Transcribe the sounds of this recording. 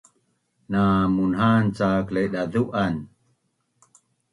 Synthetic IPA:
namunɦant͡saklejɗaduʔan

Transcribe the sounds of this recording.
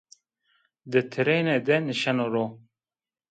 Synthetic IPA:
d̪ɨt̪ʰɨɾened̪ɛnɨʃanoɾo

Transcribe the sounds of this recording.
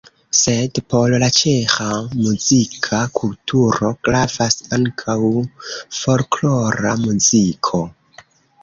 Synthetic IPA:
se̞dpo̞llat͡ʃexamuzikʰakʰultʰuɾo̞kɾafasaŋkʰawfo̞lklo̞ɾamuzikʰo̞

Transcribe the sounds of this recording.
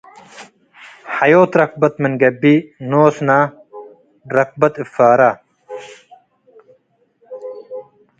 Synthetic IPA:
hɐjoːt̪ɾɐq̚bɐt̪mɐnɡɐbinoːsnaː | ɾɐq̚bɐt̪ɪfaːɾa

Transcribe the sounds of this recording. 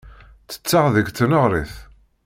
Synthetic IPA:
t͡sːə̥t͡sːaʁðəɡt͡sːənəʁɾiθ

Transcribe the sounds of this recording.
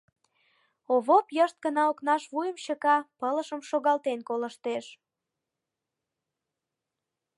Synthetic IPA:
oβopjəʃt̪̚kənɑoknɑʃβujəmɕəkɑpələʃəmʃoɣɑlt̪enkoləʃt̪eʃ

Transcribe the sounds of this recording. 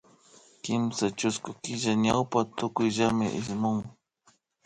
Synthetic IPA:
kɪmsat͡ʃʊskʊkɪʒaɲawpat̪ʊkʊjʒamɪʔɪʃmʊŋ

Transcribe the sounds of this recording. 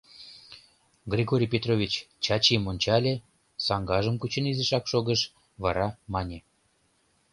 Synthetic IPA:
ɡrʲiɣoɾʲijpʲet̪rovʲit͡ɕt͡ɕɑt͡ɕimonʲt͡ɕɑlʲe | sɑŋɡɑʒəmkut͡ɕənizeʃɑkʃoɣəʃ | βɑɾɑmɑnʲe

